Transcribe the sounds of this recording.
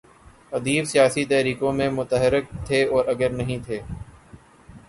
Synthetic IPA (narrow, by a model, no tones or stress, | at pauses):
əd̪iːbsɪjaːsiːt̪ɛɦɾiːkõːmẽːmʊt̪əɦɪɾɪk̚t̪ʰeːɔːɾəɡəɾnəɦĩːt̪ʰeː